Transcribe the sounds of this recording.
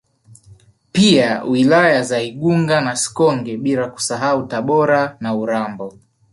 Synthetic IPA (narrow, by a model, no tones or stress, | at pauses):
piawilajazaiɠuŋɡanasi̥kɔŋɡɛɓilaku̥saɦautaɓɔɾanauɾambɔ